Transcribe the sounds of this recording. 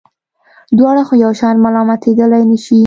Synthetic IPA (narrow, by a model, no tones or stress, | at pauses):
d̪wɑɽaxojawʃɑɾmalɑmat̪ʰed̪əlajnəʃi